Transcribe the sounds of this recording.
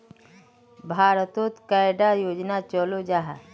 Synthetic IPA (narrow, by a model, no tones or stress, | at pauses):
bʱaːɾət̪ot̪kajɖajoːd͡ʒnat͡ʃəlod͡ʒaɦa